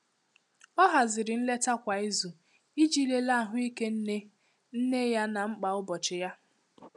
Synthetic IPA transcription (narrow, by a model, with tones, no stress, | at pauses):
ɔ˦ɦa˨zɪ˨ɾɪ˨n̩˦le˦ta˦kʷa˨i˦zu˨ | i˦d͡ʒi˦le˦la˦˨ɦʊ˦i˦ke˦n̩˦ne˦ | n̩˦ne˦ja˦na˨ŋ͡m̩˦k͡pa˨ʊ˦bɔ˨t͡ʃɪ˨ja˦